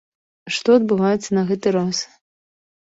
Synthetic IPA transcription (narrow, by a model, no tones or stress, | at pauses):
ʂt̪ɔɐd̪̚bɨvajɛt̪sːɐnɐɣɛt̪ɨɾas